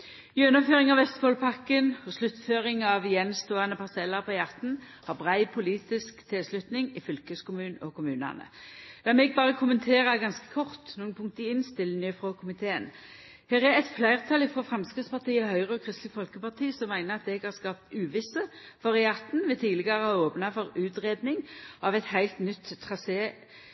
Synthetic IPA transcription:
jøːnɔføːʁɪŋɑʋʋɛst̪boːlpʰɑkːənhɔslʉt̪føːʁɪŋɑʋjɛnst̪oːɑnəpʰɑsɛləpʰɔjɑʁt̪n̩ | hɑʁbʁæɪpʰʊliːt̪ɪskt̪ʰɛslʉt̪nɪŋɪfʏlkəskʊmʉːnɔkʊmʉːnɑ̰nə̰d̪ɑmɛɡ̚bɑːʁəkʰʊmənt̪ʰeːʁəɡɑnskə̥kʰɔʁt̪nuːənpʰʊŋk̚t̪əɪnst̪ɪlːnjøːfʁoːkʰʊmɪt̪ʰeːən | hæːʁæɛt̪flæɪʁt̪ʰɑlɪfoːfɾɑmskɪspɑʁt̪iːəhœʏʁəɔkʰʁɪst̪ləɡfɔlkəpɑʁt̪ʰiːsɔmːæɪnəʁɑt̪̚d̪ɛɡhɑʁskɑp̚t̪ʉːʋɪsəfɔʁəjɑʁt̪n̩ʋɛt̪ʰiːd̪lɪɡɑʁəɑoːpnɑfɔʁʉːt̪ʁeːd̪nɪŋʔɑʋɛt̪hæɪlt̪nʏt̪ʰːʁɑseː

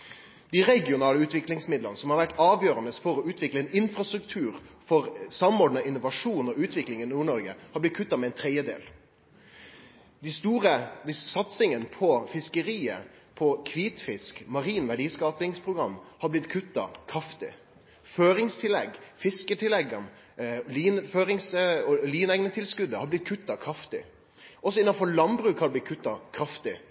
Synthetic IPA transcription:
d̪̥ɪʁɛɡɪʊnɑːləʉːt̪ʋɪklɪŋsmɪd̪lənəsɔmhɑɾʋæʈːɑːʋjøːɾənəsfɔɾɔʉːt̪ʰʋɪkləɛnɪnfɾɑst̪ɾʉkt̪ʰʉːɾfɔʁsɑmɔɖnəɪnːʊʋɑʂuːnɔʉːt̪ʰʋɪklɪŋɪnuːɳɔɾɡə̰hɑɾblɪt̪̚kʰʉt̪ːɑmɛɛnt̪ʰɾɛd̪jəd̪ḛːl | d̪ɪst̪uːʁəd̪ɪsɑt̪sɪŋənpʰɔfɪskəɾiːə̰ | pʰɔkʰʋiːt̪fɪskmɑɾiːnʋæɖiːskɑːpnɪŋspʰʁʊɡɾɑmːhɑɾblɪt̪kʰʉt̪ːɑ̰kʰɾɑft̪ɪ̰ | føːɾɪŋst̪ʰɪlɛɡfɪskət̪ʰɪlɛɡɑn | liːnføːɾɪŋsɔliːnɛɡnət̪ʰɪlskʉd̪əhɑɾblɪt̪̚kʰʉt̪ːɑkʰɾɑft̪ɪ̰ | ɔsɔɪnːɑnfɔɾɭɑnbʁʉːkhɑɾb̪lɪt̪̚kʰʉt̪ːɑkʰɾɑft̪ɪ

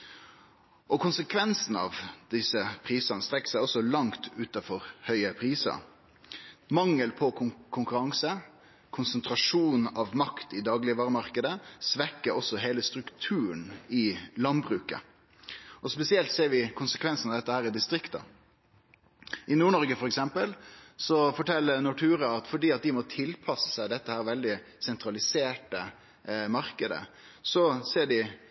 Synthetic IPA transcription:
ʔɔkʊnsəkʰʋɛnsn̩ɑ̰ːʋd̪ɪsəpʰɾiːsɑnəst̪ɾɛkːsæɪɔsɔlɑŋt̪ʰʉːt̪ɑfɔɾhœʏəpʰɾiːsɑ̰ | mɑŋːəlpʰɔkʊkʰʊŋkʉɾɑŋsə | kʰʊnsənt̪ʰɾɑʂuːnɑʋmɑkt̪ɪd̪ɑːɡlɪʋɑːɾəmɑʁkəd̪əsʋɛkːəɔsɔɦeːləst̪ɾʉkt̪ʰʉːənɪlɑnbɾʉːkə̰ | ɔspɛsɪɛlt̪seːɾʋɪkʰʊnsə̥kʰʋɛnsnɑʋd̪ɛt̪ːəhæːɾɪd̪ɪst̪ɾɪkt̪ɑ̰ | ʔɪnuːɳɔɾɡəfɔɾɛksɛmpəlsɔfɔʈʰɛlːənɔʈʰʉːɾəɑt̪fɔɖiːɑt̪̚d̪ɪmɔt̪ʰɪlpʰɑsːə̥sæɪd̪ɛt̪ːəhæːɾʋɛld̪ɪsɛnt̪ɾɑlɪseːʈə | mɑɾkəd̪ə̰ | sɔseːɖɪ

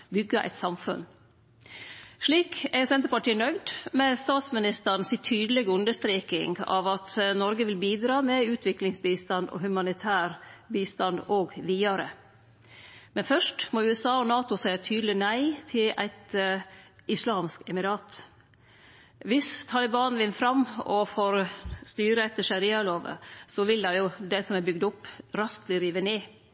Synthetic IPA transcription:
bʏɡːɑʔæ̰ɪt̪sɑmfʉn | ʂɭiːkæɾsɛnt̪əɾpɑʈiːənœʏd̪mɛst̪ɑːt̪smɪnɪst̪ən̩sit̪ʰyːd̪əlɛɡəʉnd̪əʂt̪ɾeːkɪ̰ŋɡɑ̰ʋɑt̪nɔɾɡəʋɪlbiːd̪ɾɑːmɛʉːt̪ʰʋɪklɪŋsbiːst̪ɑnd̪o̰hʉmɑnɪt̪ʰæːɾbiːst̪ɑnd̪oːɡʋiːɑɾə | mɛnfœʂʈmɔʉːɛsɑːɔnɑːt̪ʊsæɪɑt̪ʰyːd̪lɪnæɪt̪ʰɪlæ̰ɪt̪ | ɪslɑːmskɛmɪɾɑːt̪ | ʋɪst̪ʰɑlɪbɑːnʋɪnːfɾɑmːɔfoːɾst̪yːɾəɛt̪ːəʂɑɾiɑloːʋə̰sɔʋɪld̪ɑjʊd̪æɪsɔmæbʏɡ̚d̪ʊpːɾɑsk̪lɪɾiːʋəneː

